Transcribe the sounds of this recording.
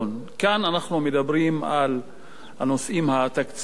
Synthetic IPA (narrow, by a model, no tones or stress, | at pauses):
nkananaχnumed̪abɾima̰l | hanosʔimhat̪akt͡s